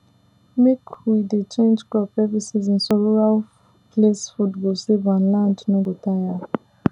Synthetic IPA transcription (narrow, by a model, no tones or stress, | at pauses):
mekʰwidet͡ʃẽnd͡ʒɡlɔpɛvisiz̬n̩sɔɾuɹal | plesfudɡosebãnlãndnoɡotaja